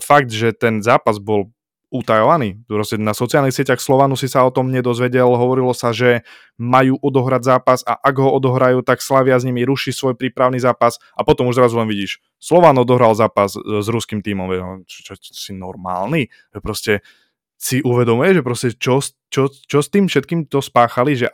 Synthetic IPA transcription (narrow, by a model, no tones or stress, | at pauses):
faɡ̚d̪ʒɛt̪ɛnzaːpazbɔl | ut̪ajɔʋaniːpɾɔscɛnasɔt͡sialˠnixsɪɛcaxslɔʋaːnusisaɔt̪ɔmɲɛd̪ɔzʋɛɟɛlɦɔʋɔɾilɔsaʒɛ | majuːʔɔd̪ɔɦɾadzaːpasa̰ʔaɡɦɔɔd̪ɔɦɾajuːt̪akslaʋɪazɲimiɾuʃisʋɔjpɾiːpɾaʊnizaːpas | ʔapɔt̪ɔmuʒzɾazulɛnʋiɟiːʃ | slɔʋanɔd̪ɔɦɾalzaːpaszɾuskimt̪iːmɔmʋɛɟɛt͡ʃt͡ʃɔsinɔɾma̰ːlni | ʒ̥ɛpɾɔscɛ | siʔuʋɛd̪ɔmujɛʒɛpɾɔscɛt͡ʃɔs | t͡ʃɔt͡ʃɔst̪iːmfʃɛt̪̚kiːmt̪ɔspaːxaliʒɛʔ